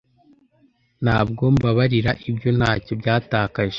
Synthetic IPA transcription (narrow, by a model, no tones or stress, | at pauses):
n̥haːb̚ɡo̞mbaβaɾiɾaʔibjo̞n̥haːcobɟaːtaːkaʒe